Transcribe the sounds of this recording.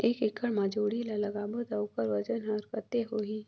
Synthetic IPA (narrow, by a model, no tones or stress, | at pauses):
eːkɪkʰːəɽmãːd͡ʒoːɽilalɐɡaːbod̪aʊkəɾʋɐd͡ʒənɦəɾkət̪eɦoːiː